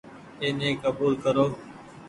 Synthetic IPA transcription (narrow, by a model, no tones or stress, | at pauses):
eːnẽːkəbuːlkəɾoː